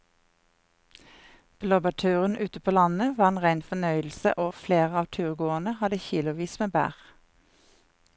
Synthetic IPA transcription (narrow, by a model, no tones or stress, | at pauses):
b̥lɔbəʈ̪ʰʉːʁənʔʉːt̪əpʰoːlɑnəʋɑːeːnʁæɪnfɔnœʏl̩sə̰ʔoːfleːʁəɑːʋt̪ʰʉːʁɡoːənəhɑd̪əçiːlʊʋiːsmeːbæ̰ːʁ